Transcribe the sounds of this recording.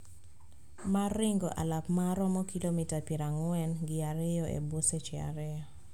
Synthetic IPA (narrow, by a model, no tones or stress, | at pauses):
maɾɪŋɡɔʔa̰lapmaɾɔmɔkilomitapeɾaŋwɛnɡɪaɾɛjɔʔḛboset͡ʃɪa̰ɾɪjɔ